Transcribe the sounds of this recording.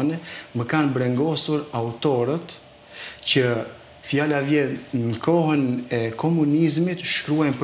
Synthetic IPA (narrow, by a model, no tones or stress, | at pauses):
nɛməkanbɾɛŋɡɔsuɾaut̪ɔɾət̪ | cə | fjalavjɛɾnəkʰɔɦənɛkʰɔmunizmit̪ʃkɾuajnp